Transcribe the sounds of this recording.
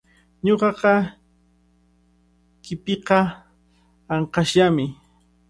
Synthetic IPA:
ɲoqɑqɑ | kɪpeqɑ | ɑɴqɑʃamɪ

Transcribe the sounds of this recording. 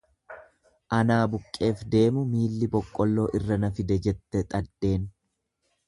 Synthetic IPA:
ʔɐnaːbʊkʼːe̞ːfd̪e̞ːmʊmiːlːɪbɔkʼːɔlːo̞ːʔɪrːɐnɐfɪd̪ɛd͡ʒɛt̪ːɛt̪ʼɐd̪ːe̞ːn

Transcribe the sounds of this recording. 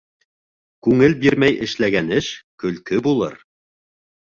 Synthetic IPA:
kʉŋɘlbiɾmæjʔɘ̆ʃlæɡænɘʃkɵ̆lkɵbulˠɤɾ

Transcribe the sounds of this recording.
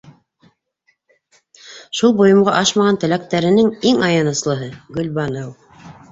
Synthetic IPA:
ʃulˠbŭjɤ̆mʁɑʔɑʃmɑʁɑnt̪ɘ̆læk̚t̪æɾɘ̆nɘŋiŋɑjɑnɤ̆slˠɤ̆ɦɤɡɵ̆lbɑnɤw

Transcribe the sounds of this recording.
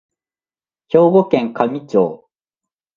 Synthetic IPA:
ço̞ːɡokẽŋkamʲit͡ɕo̰ː

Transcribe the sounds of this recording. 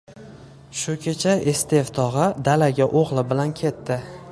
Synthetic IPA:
ʃʊkʲʰe̞t͡ʃʰaest̪ʰe̞vt̪ʰɒʁɨd̪alaɡʲaʔoʁlˠɪbɪlankʲʰe̞t̪ʰːɪ

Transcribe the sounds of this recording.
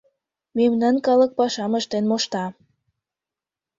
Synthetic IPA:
memnɑnkɑlək̚pɑʃɑməʃt̪enmoʃt̪ɑ

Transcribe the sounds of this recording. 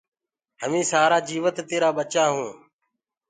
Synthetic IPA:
ɦəmĩːsaːɾaːd͡ʒiːʋət̪ːeːɾaːɓət͡ʃaːɦũː

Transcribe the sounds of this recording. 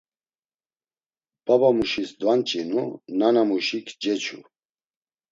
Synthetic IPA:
b̥abamuʃisd̪want͡ʃʼinunanamuʃikʰd͡ʒɛt͡ʃʰṵ

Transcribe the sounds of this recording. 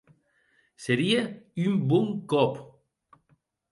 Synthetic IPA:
seɾiaymbɔŋkɔp

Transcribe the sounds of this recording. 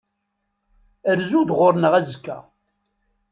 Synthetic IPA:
əɾzud̪ʁʊɾnəʁæzkːæ̰

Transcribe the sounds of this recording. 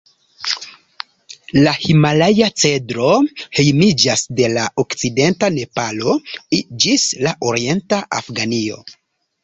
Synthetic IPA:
lahimalajat͡se̞dɾo̞he̞jmid͡ʒasde̞laokt͡side̞ntane̞palo̞id͡ʒislaʔoɾie̞ntaʔa̰fɡanio̞̰

